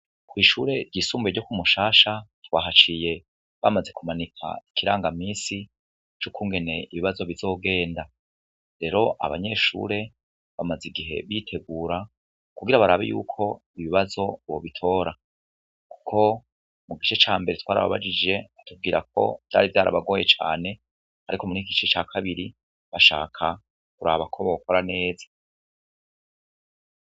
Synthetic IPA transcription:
kwiːʃuːɾe̞ɾɟiːsuːmbeɟokumuʃaːʃatwaːɦat͡ʃije̞ | βamaze̞kumanikʰa̰i̥kʰiɾaːŋɡamiːsi | t͡ʃukʰuːŋɡe̞ne̞iβiβazo̞βizo̞ːɡe̞ːnda | ɾe̞ɾo̞ʔa̰βa̰ɲe̞ʃṵːɾe̞ | βamaziɡiɦe̞̰βitʰe̞ɡuːɾa | kuɡiɾaβaɾaβejṵːkʰo̞ | iβiβazo̞o̰βitʰo̞ːɾa | ku̥kʰo̞ | muɡit͡ʃe̞t͡ʃaːmbe̞ɾetwaːɾa̰βa̰βa̰d͡ʒid͡ʒe̞atub̚ɡiːɾak̚ʰo̞̰v̥d̥a̰ːɾivjaːɾʔa̰βaɡo̞ːje̞t͡ʃa̰ːne̞ | aɾikomunikit͡ʃiit͡ʃaːkʰaβiɾi | βaʃa̰ːkʰa | k̚uɾaβakʰo̞βokʰo̞ɾane̞ːzḁ

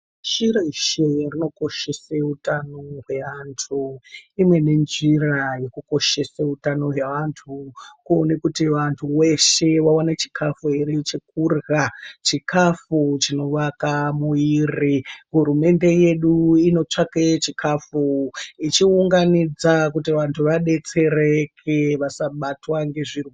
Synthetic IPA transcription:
ʃiɾeʃerino̞ko̞ʃeseutanoɦwe̞ʋantʰuimwe̞ne̞nʐiraje̞kuko̞ʃe̞sautano̞ɦwe̞ʋantʰukuonekutiʋantʰuwe̞ʃe̞wawanat͡ʃi̥kʰafueɾit͡ʃikurɣat͡ʃikʰafut͡ʃino̞ʋakamuiriɦuɾume̞nde̞je̞ɗuino̞t͡ʂaket͡ʃikʰafuit͡ʃiuŋɡanid͡zakutiʋantʰuʋaɗe̞t͡se̞ɾekʰeʋasaɓatwaŋɡe̞ʐiru

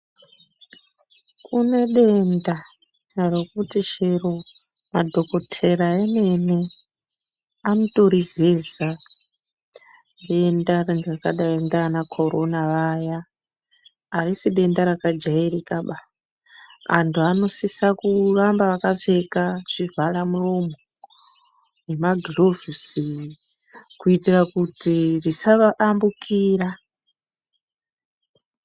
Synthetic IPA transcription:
kune̞ɗe̞nda | rekutiʃeru | madʱo̞ko̞tʰe̞ɾaene̞ne | anoto̞ɾizeza | ɗe̞ndarendrakaɗaendanakʰo̞ɾo̞naʋaja | risiɗe̞ndaɾakad͡ʒairikaɓa | a̰ntuano̞sisakurambaʋakave̞kaʐ̥ivʱalamuromo | je̞maɡʱilo̞visi | kuitirakutirisaʋaʔambukʰiːra

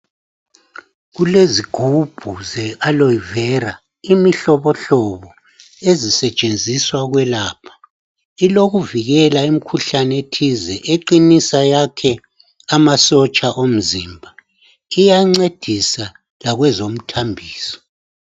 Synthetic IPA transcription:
ɣuleziɡ̥ʱub̥ʱuzɛʔalojivɛra | imiɬɔβɔɬɔβɔ | ezisɛt͡ʃʼend͡zʱiswaɣwɛlaːpʰḁ | iloɣuviɣɛlaim̩kʰuɬanetʰizɛʔeǃinisajakʰɛ | amasɔt͡ʃʼaʔom̩ziːmbʱa | ijaŋ͡ǀed̥ʱisa | laɣwɛzom̩tʰambʱiːsɔ̥

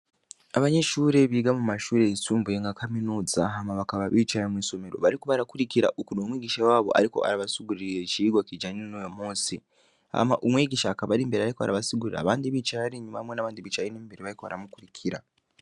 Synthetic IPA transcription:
aβaɲeʃuːɾe̞βiɡamumaʃuːɾeisuːmbojeŋɡakʰaminuːd͡zaɦamaβakaβaβit͡ʃajemwisome̞ɾo̞̰βaɾikuβaɾakuɾikiɾa̰ʔukunoːmwiːɡiʃawaːβo̞̰ʔa̰ɾiko̞̰ʔa̰ɾaβasiɡuɾijet͡ʃiːɡwakid͡ʒaɲinnojomoːsi | a̰maʔumwiɡiʃaːkaβaɾimbeɾiaɾikoa̰ɾaβasiɡuɾiɾa̰βaːndiβit͡ʃaaɾiɲuβamwenaβaːndiβit͡ʃainembeɾiβaɾikoβa̰ɾamukuɾikʰiɾa̰

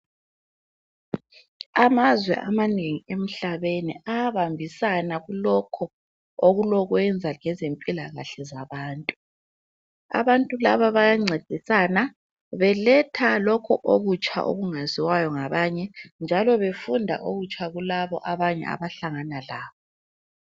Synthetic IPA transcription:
amazwɛ̰ʔamaneŋiem̩ɬaβeniaβambʱisanaɣulɔkʰɔ | oɣulɔɣwɛnd͡zʱaŋɛzempʼilaɣa̰ɬɛzaβaːntʼu | a̰βantʼulaβaβajaŋ͡ǀʱed̥ʱisana | βɛlɛtʰalɔkʰɔʔoɣut͡ʃʰʼa̰ʔo̰ɣuŋaziwajɔŋaβaːɲɛnd͡ʒʱalɔβefundʱa̰ʔoɣut͡ʃʰʼaɣulaβɔ̰ʔaβaɲɛ̰a̰βaɬaŋanalaːβɔ

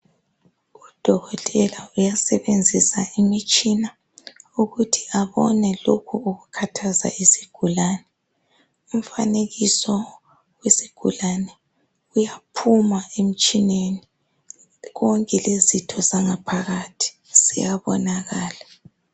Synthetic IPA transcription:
ɣud̥ʱɔɣɔtʼɛlaujasɛβend͡zʱisaimit͡ʃʼina | uɣutʰiaβɔnɛlokʰuuɣukʰatʰaza̰isi̥ɡ̥ʱulaːnɛ | um̩faneɣisɔ | wesiɡ̥ʱulanɛ | ujapʰumaem̩t͡ʃʼineni | ɣɔŋkʼɛlezitʰɔzaŋapʰaɣatʰi̥ | sḭjaβɔnaɣaːla

